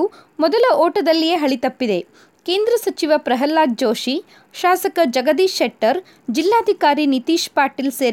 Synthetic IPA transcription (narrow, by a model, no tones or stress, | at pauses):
umɔd̪ɐlɐɔːʈɐd̪ɐlːijeɦɐɭit̪ɐpːid̪e̞ | ke̞ːnd̪ɾɐsɐt͡ʃiʋɐpɾɐɦɐlːaːk̚d͡ʒoːʃi | ʃaːsɐkɐd͡ʒɐɡɐd̪iːʃeʈːɐɾ | d͡ʒilːaːd̪ʱikaːɾinit̪iːʃpaːɾʈilseːɾ